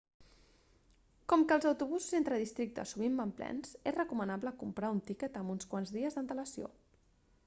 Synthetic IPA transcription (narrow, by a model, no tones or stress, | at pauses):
kɔmkəːlˠzəwt̪uβ̞uzuzent̪ɾəðist̪ɾik̚t̪ə̰suβ̞imbamplɛ̰nz̥ezrəkumənabləkumpɾaunt̪ikət̪əmunskwanzðiəzðənt̪ələsio̰